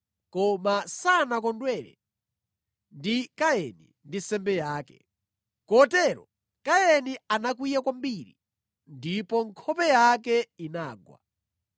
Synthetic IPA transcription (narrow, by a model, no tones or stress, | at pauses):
kɔmasanak̬ɔndwɛɾɛ̰ | ndikajɛnḭ | ndisɛmbɛjaːkɛ̥̰ | kɔtɛɾɔ̰ | kajɛnianakwijakwambiɾḭ | ndipɔŋkʰɔpɛjak̬ɛinaːɡwa̰